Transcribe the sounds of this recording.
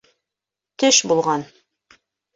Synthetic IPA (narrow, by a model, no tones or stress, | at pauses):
t̪ɘʃbulˠʁɑn